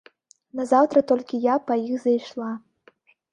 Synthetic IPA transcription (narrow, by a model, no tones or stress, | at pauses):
nɐzawt̪ɾɐt̪ɔlʲkʲijapɐjixzɐjʂlˠa